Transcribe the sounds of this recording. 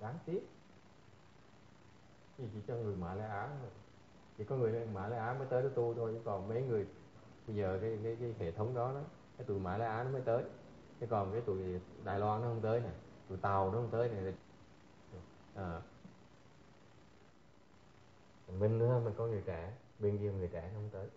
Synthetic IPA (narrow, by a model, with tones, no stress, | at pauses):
ɗaː˨˦ŋt̪i˦˥ət̚ | t͡ɕi˨˧˩t͡ɕḭ˧˩t͡ɕɔ˧ŋɨ˨˩əjmaː˧˩˦laː˧ʔaː˨˦nɔ˨˦˧j | t͡ɕʰḭ˨˧˩kɔ˨˦ŋɨ˨˩əjn˨˦˨maː˧˩˦jlaː˧ʔaː˨˦məː˨˦jt̪əː˨˦jnɔ˨˦t̪u˧t̪ʰo˧je˧˦kɔ˨˩nmə˨˦jŋɨ˨˩əj | ɓə˧jzəː˨˩kaː˨˦jkaː˨˦jkaː˨˦jhe˧˩t̪ʰə˨˦wŋ͡mɗɔ˨˦nɔ˨˦ | kaː˨˦jt̪ṵ˧˨jmaː˧˩jlaː˧ʔaː˨˦nɔ˨˦məː˨˦jt̪əː˨˦j | t̪ʰe˨˦kɔ˨˩nkaː˨˦jt̪ṵ˧˨jɗa̰ː˧˨jlwaː˧nːɔ˨˦hə˧wŋ͡mt̪əː˨˦jna˨˩jt̪ṵ˧˨jt̪a˨˩wnɔ˨˦hə˧wŋ͡mt̪əː˨˦jna˨˩t̪ʰi˨˩˨ | ʔəː˨˩ | a˨˩ŋmï˧ŋ̟nɨ˨˦a˧ma˨˩ŋkɔ˨˦ŋɨ˨˩əjkaː˧˩ | ɓi˧ŋɗi˧˩ə˨ŋɨ˨˩əjkaː˧˩na˨˦hə˧wŋ͡mt̪əː˨˦j